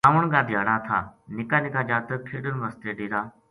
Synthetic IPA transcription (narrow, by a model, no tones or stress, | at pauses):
aːʋəɳɡãːd̪ʱjaːɽaːt̪ʰa̰ːnɪkaːnɪkãːd͡ʒaːt̪əkʰiːɗənʋəst̪eːɗiːɾaː